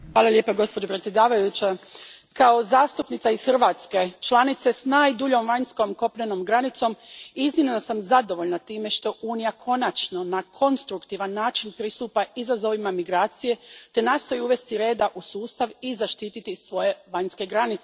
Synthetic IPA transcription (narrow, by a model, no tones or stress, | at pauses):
xʋaːlalʎje̞ːpaɡo̞spo̞d͡ʑo̞pɾe̞t̪sjed̪aːʋajut͡ɕa | kaozaːst̪upnit̪aisxr̩ʋaːt̪ske̞t͡ʃlˠanit̪se̞snaːjd̪uʎo̞mʋaɲsko̞mko̞pʎeno̞mɡɾanit̪so̞miznimnosamzad̪o̞ʋo̞ʎnat̪iːme̞ʃt̪o̞ʔuːnijakʰo̞nat͡ʃno̞nakʰo̞nst̪ɾukt̪iʋanːaːt͡ʃinpɾist̪uːpaizazo̞ʋimamiɡɾaːt̪sije̞t̪e̞naːst̪o̞jiuʋe̞st̪iɾe̞ːd̪aʔusuːst̪aʋizaʃt̪iːt̪it̪isʋo̞je̞ʋaɲske̞ɡɾanit̪se